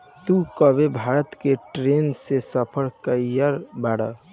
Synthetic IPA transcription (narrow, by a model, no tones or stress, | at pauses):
t̪ukəbebʱaɾət̪keʈɾensesəpʰəɾkəjəɾbaɽə̰